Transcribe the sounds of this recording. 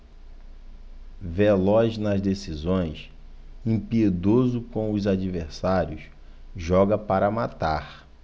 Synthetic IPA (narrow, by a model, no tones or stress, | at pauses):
velɔznɐzd̪esizõj̃s | ẽpied̪ozʊkõw̃ʊzad͡ʒiveɾsaɾjʊs | ʒɔɡɐpaɾɐmat̪aɾ